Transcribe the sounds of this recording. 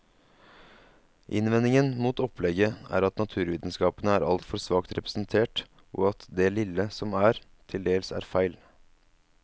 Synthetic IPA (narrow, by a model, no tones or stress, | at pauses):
ʔɪ̰nʋɛnːɪŋənmuːt̪ɔpʰlɛɡəæ̰ːɾɑt̪nɑt̪ʰʉːɾʋiːd̪nskɑːpənəæːɾʔɑ̰lt̪fɔɾsʋɑːkt̪ɾɛpɾə̥sn̩t̪ʰeːʈ | ʔɔɑt̪d̪ɛlɪlːəsɔmæːɾ | t̪ʰɪld̪eːlsæ̰ːɾfæɪl